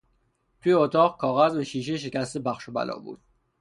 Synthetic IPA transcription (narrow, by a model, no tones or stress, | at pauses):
t̪ʰuːjeot̪ʰɒːʁkʰɒːɣæzvæʃiːʃ̬eʃ̬e̞cæst̪ebæχʃobæ̰lɒ̰ːbṵːd̪̥